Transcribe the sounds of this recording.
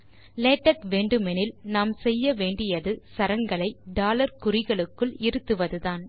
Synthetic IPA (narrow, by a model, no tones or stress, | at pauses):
leːʈːɐʈʋeːɳɖɯmɛnɪlnaːmsɛjːɐʋeːɳɖɪjɐðɯsɐɾɐŋɡɐɭɐɪɖaːlɐɾkʊɾɪɣɐɭɯkːɯɭɪɾɯt̪ːɯʋɐðɯðaːn